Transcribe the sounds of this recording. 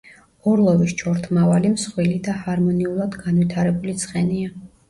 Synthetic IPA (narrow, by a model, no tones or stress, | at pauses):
ɔɾlˠɔvist͡ʃʰɔɾt̪ʰmavalimsχwilid̪ahaɾmɔniulˠad̪ɡanvit̪ʰaɾɛbulit̪sʰχʼɛnia